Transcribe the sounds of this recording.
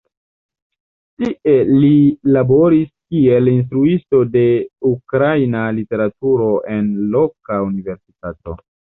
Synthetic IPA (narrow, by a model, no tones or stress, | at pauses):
tiʔe̞lilabo̞ɾiskie̞lins̬tɾuisto̞de̞ukɾajnalite̞ɾatuɾo̞ʔe̞nlo̞kaunive̞ɾsi̥tato̞̰